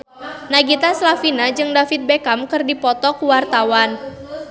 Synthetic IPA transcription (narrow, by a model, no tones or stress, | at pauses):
naɡit̪aslafinad͡ʒɨŋdafit̪̚bekamkɨrdipɔt̪ɔkuwart̪awan